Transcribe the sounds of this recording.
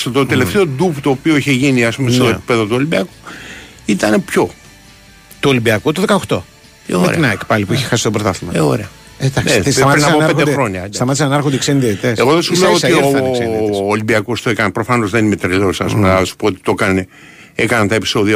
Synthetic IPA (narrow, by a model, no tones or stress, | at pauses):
set̪ot̪e̞left̪e̞o̞d̪upt̪o̞ːpio̞içeʝiniɐspumest̪oepi̥pe̞ðo̞t̪uo̞limbiɐku̥ | it̪ɐnepço̞ | t̪uolimbiɐkut̪uðe̞kɐoxt̪o | eomeɾḛinɐkpɐlipuiçe̥xɐsist̪bɾot̪ɐθimɐeo̰ɾeɐ | ed̪ɐknsesɐmɐpɾinɐsoɐɾed̪ed̪xeɾo̞ɲɐst̪ɐmɐt̪isɐnɐɾxond̪eksenðiet̪it̪eseɣoðesiuleoosioː | limbiɐko̞st̪oekɐnpɾo̞fɐno̞zðenimet̪ɾeleosɐ̰spumesu̥poot̪i̥t̪o̞kɐne | ekɐnɐnt̪ɐepiso̞ðiɐ